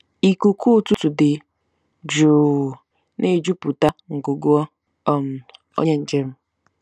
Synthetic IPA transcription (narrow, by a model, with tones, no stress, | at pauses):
i˨ku˨kʰu˦˨tu˦tu˨dɪ˨ | d͡ʒo˨ | ne˦˨d͡ʒu˦pu˨ta˦ŋ̩˨ɡo˨ɡo˦ɔ˦ | m̩˨ | o̰˦ɲe˦n̩˨d͡ʒe˦m̩˦